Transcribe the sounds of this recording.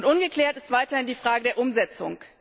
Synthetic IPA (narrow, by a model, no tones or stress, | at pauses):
ntʔʊnɡəkl̥ɛːɐtɪstv̥aɪtɐhɪndiːfʁ̥aːɡədeːɐʔʊmzɛt͡sʊ̰ŋ